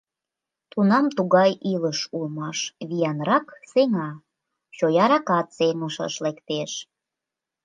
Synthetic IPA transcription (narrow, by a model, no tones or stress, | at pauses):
t̪unɑmt̪uɣɑjʔiləʃulmɑʃβijɑnrɑkseŋɑ | t͡ɕojɑɾɑkɑt̪seŋəʃə̰ʃlekt̪eʃ